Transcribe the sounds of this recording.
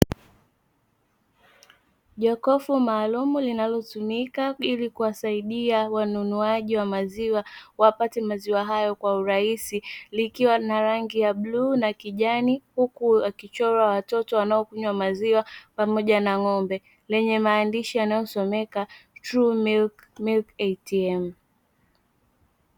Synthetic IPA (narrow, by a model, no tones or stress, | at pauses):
ʄɔkɔfumaːlumulinalɔtumikailikuwasaiɗiawanunuaʄiwamaziwawapatɛmaziwaɦajɔkwauɾaisilikiwanaɾaŋɡijaɓluːnakiʄanihukuakit͡ʃɔɾawatɔtɔwanaɔkuɲwamaziwapamɔʄanaŋɔmbɛ | lɛɲɛmaːndiʃijanajɔsɔmɛkatɾumilk | milkɛtiɛm̩